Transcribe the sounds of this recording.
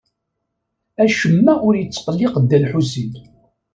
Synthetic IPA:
æʃəmːæʔʊɾjət͡sːqəlːɪqd̪ːælħusin

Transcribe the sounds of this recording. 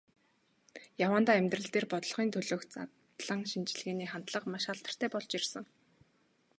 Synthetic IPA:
jawaːnt̪aːemʲt̪rɘ̆ɮt̪eːrpɔt̪̆ɮχiːnt̪ʰɵɮoːkt͡sa̰t | ɮə̆ŋʃint͡ɕ̆ɮɣeːniːχant̪ɮə̆qmaʃχaɬt̪ə̆r̥t̪ʰæːpɔɮt͡ɕirsə̆ŋ

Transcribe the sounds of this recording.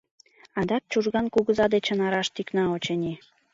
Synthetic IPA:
ɑnd̪ɑk̚t͡ɕuʒɣɑnkuɣə̆zɑd̪et͡ɕə̆nɑɾɑʃt̪yknɑot͡ɕenʲi

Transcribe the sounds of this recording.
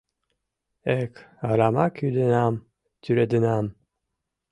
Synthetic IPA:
ɛkhaɾaːmakʰyd̪ɨnaːm | t̪ʰyɾed̪ɨnaːm

